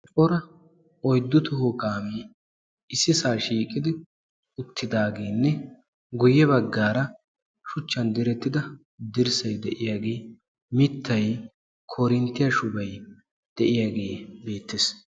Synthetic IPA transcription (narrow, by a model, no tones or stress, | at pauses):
t͡ʃʼɔɾɐ | ɔjd̪ːʊt̪ʊhʊkʼaːmiː | ɪsɪsaːʃiːkʼɪd̪ɪ | ʊt̪ʰːɪd̪aːɡeːnːɛ | ɡʊjːɛβɐɡːaːɾɐ | ʃʊt͡ʃːɐnd̪ɪɾɛt̪ːɪd̪ɐ | d̪ɪɾsɐjd̪ɛʔɪjaːɡeː | mɪt̪ʰːɐj | kʰoːɾɪnt̪ːɪjɐʃʊbɐj | d̪̥ɛʔɪjaːɡe̞ːbe̞ːt̪ːɪs